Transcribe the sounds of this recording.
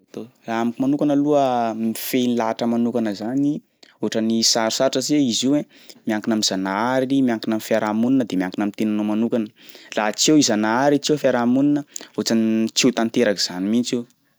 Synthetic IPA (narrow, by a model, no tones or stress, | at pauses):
at̪oraamikimanukanəluəmifenilaʈ͡ʂəmanukanəzani | oʈ͡ʂənisaɾi̥saʈ͡ʂəzeiziẽ | miaŋkinamizanaaɾiimiaŋkinamifiaɾamuninəd̪emiaŋkinamint̪enanomanukanəlat͡sewizanaaɾit͡sewfiaɾamuninəot͡sant͡sit̪ant̪eɾaki̥z̥animint͡se